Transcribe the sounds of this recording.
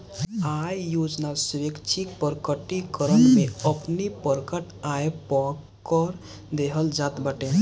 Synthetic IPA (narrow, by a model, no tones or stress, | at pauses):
ajjod͡ʒnalsekt͡ʃʰik̚pəɾkəʈikəɾəɳmeəpnipəɾkəʈ | aepɔkəɾ | d̪eɦəld͡ʒat̪baʈe